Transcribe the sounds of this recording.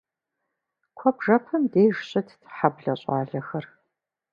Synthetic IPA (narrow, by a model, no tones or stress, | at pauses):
kʷʰɔbʐɐpʰɐmdeːʒɕʼɐtʰħabɮɐɕʼaːɮɐxɐr